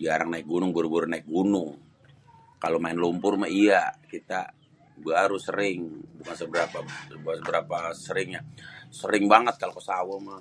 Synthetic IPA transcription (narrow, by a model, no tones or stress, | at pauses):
d͡ʒaɾaŋnaɪk̚ɡunʊŋbaɾubaɾunaɪk̚ɡunʊŋ | kalomaɪnlumpʊrmaiakit̪a | baɾusə̰ɾɪŋbukansəbəɾapasəbasəbəɾapasəɾɪŋjasəɾɪŋbaŋət̪̚kalokəsawama